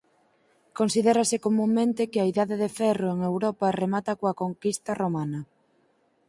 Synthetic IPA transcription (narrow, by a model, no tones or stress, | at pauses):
konsiðɛɾasɪkomũŋmẽnt̪ɪkɪaiðaðeðefɛroeŋewɾɔpɐremat̪ɐkoakoŋkist̪ɐromanɐ